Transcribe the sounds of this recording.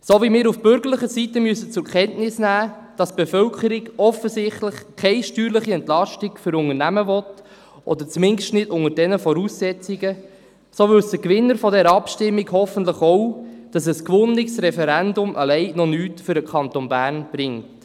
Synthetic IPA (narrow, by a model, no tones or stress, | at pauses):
sovimɪːɾufb̥ʏɾɡəɾləχəsitəmyəsət͡sʊɾkʰɛntnɪsnæː | d̥ɑsb̥efœlkəɾɪɡɔfəsɪχtləχkʰɛɪʃtyːɾləχiɛntlɑʃtikfʏɾʊŋəɾnæməvɔt | ʔɔd̪əɾt͡smɪnʃtnɪdʊŋəɾdɛnəfɔɾuːsːɛt͡siɡə | soːʋʏlsd̥əkʋɪnːəɾfɔdɛɾəɑpʃtɪmːiɡhɔfən̩tləχɔʊd̥ɑs̬əskʋʊnɪksɾɛfɛɾændʊmʔəlɛɪnɔnyːtfʏɾəkʰɑntonbæːrnb̥ɾɪŋt